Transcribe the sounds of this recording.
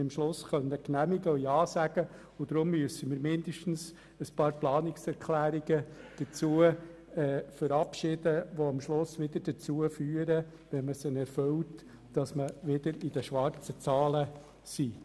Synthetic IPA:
ɪmʃlʊsχœnːəknæmiɡəʊjɑːsæɡ̥ə | ʊd̥̪ɾʊmːyəsəmɪːɾmɪnd̥̪əʃtn̩s | əspɑːɾplɑːnɪksɛɾkʰlæːɾiɡ̥əd̥ət͡suə | ɛːfəɾɑpʃɪdəʋoɑmʃlʊsʋɪd̥̪əd̥ət͡suːəfyːəɾə | ʋɛnməsənɛɾfølt | d̥ɑsməʋɪd̪əɾid̥əʃʋɑɾt͡sət͡sɑːlə | si

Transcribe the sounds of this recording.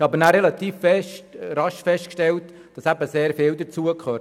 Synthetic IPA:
ɑbənæɾɛlɑt̪iːffɛʃtɾɑʃfɛʃt̚kʃtɛlt | d̥ɑsæbəseːɾfɪːld̪ət͡suəkʰχøː

